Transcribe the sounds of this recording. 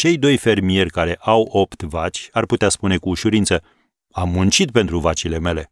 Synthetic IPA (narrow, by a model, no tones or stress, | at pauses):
t͡ʃe̞jd̪o̞jfe̞rmie̞rʲkaɾe̞ʔawo̞pt̪vat͡ʃʲarput̪easpune̞kuːʃuɾint̪sə | amːunt͡ʃit̪̚pe̞nt̪ɾuvat͡ʃile̞me̞le̞